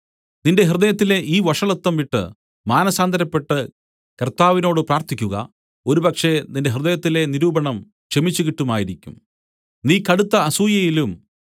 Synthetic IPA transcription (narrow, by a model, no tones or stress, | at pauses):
ninde̞ɦrɨðɐjɐt̪ːile̞ʔiːʋɐʂɐɭɐt̪ːɐmʋiʈːɨ̰ | maːnɐsaːnd̪ʱɐɾɐpːe̞ʈːɨ | kɐrt̪aːʋino̞ːɽɨpraːrt̪ikʲːuɣɐ̰ | o̞ɾubɐkʂe̞nindeɦrɨðɐjɐt̪ːile̞niɾuːbɐɳɐm | t͡ɕe̞mit͡ɕːukiʈːumaːjiɾikʲːum | niːkɐɽut̪ːɐːsuːjɐjilum